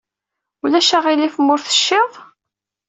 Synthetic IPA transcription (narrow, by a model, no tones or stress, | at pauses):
ulæʃaʁilifmʊɾθə̥ʃːɪðˤ